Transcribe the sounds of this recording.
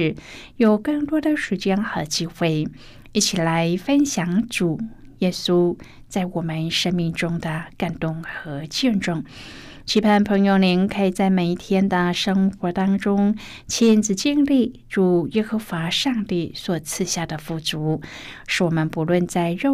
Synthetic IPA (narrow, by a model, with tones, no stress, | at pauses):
ɻ̩˧˩ | jo˨˩ʊkɤ˥˩ŋt̪wɔ˥d̪ə˨ʂu˨˩t͡ɕjɛ˥nxɤ˧˥t͡ɕi˥xwe˥˩ɪ | i˥˩t͡ɕʰi˨˩la˧˥ɪfə˥nɕjɑ˧˩˥ŋʈ͡ʂu˨˩jɛ˥su˥ | t͡sa˥˩ɪwɔ˨˩mə˦nʂə˥ŋmi˥˩ŋʈ͡ʂʊ˥ŋd̪ə˨ka˨˩nt̪ʊ˥˩ŋxɤ˧˥t͡ɕɛ˥˧nʈ͡ʂʊ˥˩ŋ | t͡ɕʰi˧˥pʰa˥˩npʰɤ˧˥ŋjo˧˩ʊli˧˥nkʰə˧˥i˨˩t͡sa˥˩ɪme˨˩ɪi˥˩t̪ʰjɛ˥nd̪ə˨ʂɤ˥ŋxwɔ˧˥t̪ɑ˥ŋʈ͡ʂʊ˥ŋ | t͡ɕʰi˥nt͡sɹ̩˨˩t͡ɕi˥˧ŋli˥˩ | ʈ͡ʂu˨˩jɛ˥xɤ˧˥xwa˧˥ʂɑ˥˧ŋt̪i˥˩swɔ˨˩t͡sʰɹ̩˥˧ɕja˥˩d̪ə˩fu˥˩t͡su˧˥ʂɻ̩˥˩wɔ˨˩mə˧˦npu˧˥lwə˥˧nt͡sa˥˧ɪɻo˥˧